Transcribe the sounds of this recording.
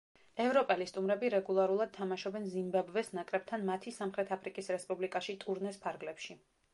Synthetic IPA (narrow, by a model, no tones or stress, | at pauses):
ɛvɾɔpʼɛlist̪ʼumɾɛbiɾɛɡulˠaɾulˠad̪̥̚t̪ʰamaʃɔbɛnzimbɛbvɛsnakʼɾɛb̚t̪ʰanmat̪ʰisamχɾɛt̪ʰapʰɾikʼisɾɛspʼublikʼaʃit̪ʼuɾnɛspʰaɾɡlɛpʃi